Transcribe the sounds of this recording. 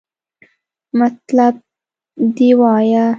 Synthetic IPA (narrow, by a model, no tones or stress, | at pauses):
mat̪lab̚ | d̪iwɑja